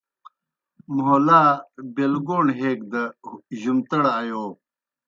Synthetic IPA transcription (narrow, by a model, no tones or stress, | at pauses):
mʊɦolaːbelɡoːɳɦeːk̚d̪ɐʑumt̪ɐɽajoː